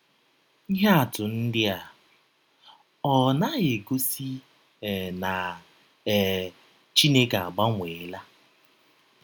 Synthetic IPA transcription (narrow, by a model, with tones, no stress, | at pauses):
i˦ɦa˦a˨tʊ˨n̩˦dɪ˦a˨ | ɔ˨na˦ɣe˨ɡo˦si˦ | ɛ˨na˨ | ɛ˨ | t͡ʃi˦ne˦ka˨a˨ɡ͡ba˦ŋʷeː˨˦la˦